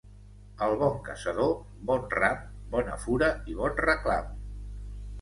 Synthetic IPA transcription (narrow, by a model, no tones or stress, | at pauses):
əlˠβɔŋkə̰səðo | bɔnrambɔnə̰fuɾəiβ̞ɔnrəkla̰m